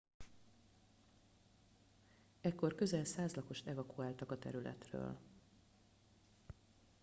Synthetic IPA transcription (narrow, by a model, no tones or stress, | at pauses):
ɛkːo̞rkø̞zɛlsaːzlɒko̞ʃt̪ɛvɒkuaːlt̪ɒkɒt̪ɛɾylɛ̰t̪rø̰ːl